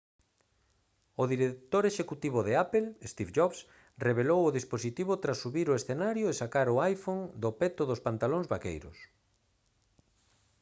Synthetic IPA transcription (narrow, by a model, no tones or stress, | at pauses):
ʊðiɾet̪oɾeʃekut̪iβʊðeapelest̪ifʒɔβs | reβelowʊðisposit̪iβʊt̪ɾasːuβiɾʊesθenaɾjoesakaɾʊajfoŋd̪opɛt̪ʊðʊspant̪aloŋzβakḛjɾʊ̰s